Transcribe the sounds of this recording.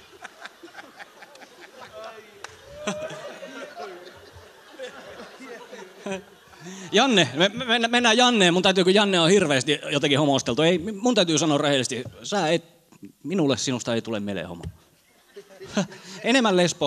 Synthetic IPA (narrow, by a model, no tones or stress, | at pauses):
jɑnːememenːæmenːæjɑnːeːmunt̪æyt̪yːkøjɑnːeohirʋeˑːst̪ijot̪ɑkihomost̪elt̪ueˑimunt̪æyt̪yːsɑnoːrrehelest̪isæːet̪ | minulːˑessinust̪ɑeˑit̪ulemmelḛho̰mo̰ | enemːællespo